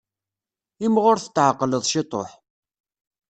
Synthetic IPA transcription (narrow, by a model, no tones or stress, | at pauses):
ɪmʁʊɾθət̪ːʕəqːləðˤʃɪt̪ˤo̰ħ